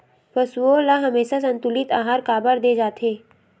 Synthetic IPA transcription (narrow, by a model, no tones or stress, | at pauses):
pɐsuolaɦɐmeːʃasɐ̃nt̪ʊlɪt̪aːɦaːɾkaːbəɾd̪eːd͡ʒaːt̪ʰeː